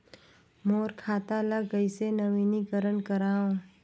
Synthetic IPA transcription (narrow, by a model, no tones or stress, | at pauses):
moːɾkʰaːt̪aləɡəisenəʋiːnikəɾənkəɾaːõ